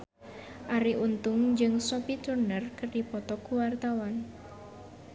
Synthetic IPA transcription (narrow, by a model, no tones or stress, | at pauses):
ʔaɾiʔunt̪ʊŋd͡ʒɨŋsɔpit̪urnərkərdipɔt̪ɔkuwart̪awan